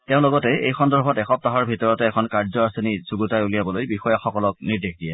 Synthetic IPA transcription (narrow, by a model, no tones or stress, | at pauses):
teʊ̃lɔɡɔtɛejxɔndɔɹbʱɔtɛxɔp̚taɦɔɹbʱitɔɹɔtɛːkʰɔnkaɹzɔaseniz̥uɡutajulijabɔlojbixɔjaxɔkɔlɔk̚niɹdexdijɛ